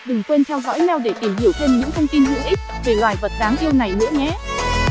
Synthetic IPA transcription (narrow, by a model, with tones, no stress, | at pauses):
ɗɨ˨˩ŋkwe˧nt̪ʰɛ˧wzɔ̰˧˥jɲa˧wɗe˧˩t̪i˧˩mhi˧˩əwheː˧nɲɨ̰˧˥ŋt̪ʰə˧wŋ͡mt̪i˧nɦɨ̰˧˥ŋʔi˦˥k̚ve˨˩lwaː˨˩jvə˨˩t̚zaː˨˦ŋʔi˧əwna˨˩jnɨ̰˧˥əɲɛ˨˦